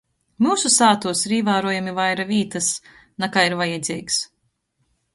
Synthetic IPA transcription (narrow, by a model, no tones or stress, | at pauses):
muːsusaːt̪uɔsiɾiːvaːɾuɔjamivajɾaviːt̪ɐs | nakaːiɾvajɛd̪zʲiːks